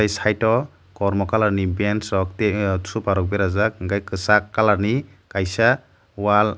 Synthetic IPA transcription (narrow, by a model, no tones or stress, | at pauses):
ajsajtɔ | kɔɾmɔkalaɾnibensɔk̚tetʰupaɾɔk̚beɾazak̚ɡajkɯsakːalaɾni | kajsa | wal